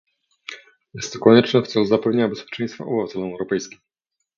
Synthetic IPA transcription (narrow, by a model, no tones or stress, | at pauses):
jɛst̪ːɔkɔɲɛt͡ʂnɛft̪sɛluzapɛvɲeɲabɛspʲjɛ̥t͡ʂɛj̃st̪fa̰ɔbɘvat̪ɛlɔmɛwɾɔpɛjskʲim